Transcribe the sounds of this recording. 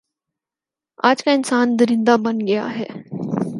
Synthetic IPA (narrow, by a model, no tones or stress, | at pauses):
aːd͡ʒkaɪnsaːnd̪ɐɾɪ̃nd̪abɐnɡɐja̰ɦɛː